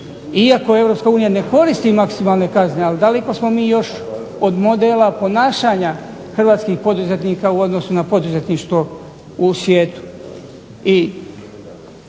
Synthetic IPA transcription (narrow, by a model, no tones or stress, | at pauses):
iako̞e̞vɾo̞pskauːnijane̞ko̞ɾist̪imaksimaːlˠne̞kazneald̪aleko̞smo̞miːjo̞ʃo̞d̪mo̞d̪elapo̞naːʃaːɲaxr̩ʋaːt̪skixpo̞d̪uze̞t̪niːkauo̞d̪no̞sunapo̞d̪uze̞t̪niʃt̪ʋo̞ | usʋjeːt̪u̥ | i